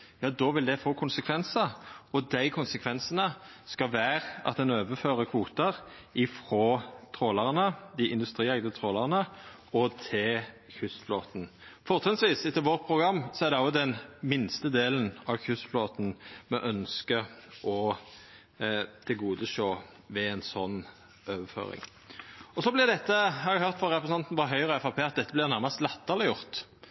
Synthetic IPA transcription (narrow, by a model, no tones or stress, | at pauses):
jɑːd̪ɔʋɪld̪ɛfoːkʰʊnsəkʰʋɛnsəɔd̪æɪkʰʊnsəkʰʋɛnsənə | skɑʋæːʁəɑ̰t̪̚d̪ɛnøːʋəføːʁəkʰʋuːt̪əʁ | ɪfɾoːt̪ʰʁoːləʁnəd̪ɪʔɪnd̪ʉst̪ʁiːɛɡd̪ət̪ʰʁoːləʁnə | ɔt̪ʰɪl | çʉst̪floːt̪n̩ | fɔʁt̪ʰɛsʋiːsɪt̪ʰːəʋɔʁt̪̚pʰʁʊɡʁɑmːsɔæʁd̪ɛɔːd̪ɛnmɪnst̪əd̪eːlənɑʋçʉst̪floːt̪n̩mɛʔœnskəʔɔ | t̪ʰɪɡuːd̪əʃoː | ʋɛɛnsɔnː | øːʋəfø̰ːɾɪ̰ŋ | ɔsɔblɪʁd̪ɛt̪ːəhɑɾæhøʁt̪fɔɾʁɛpʰɾɛsn̩ɑnt̪n̩ʋɑɾɦœʏʁɔɛfɑpʰeːɑt̪̚d̪ɛt̪ːəblɪʁnæɾmɑst̪lɛt̪ːəʁlɪjʊʁt̪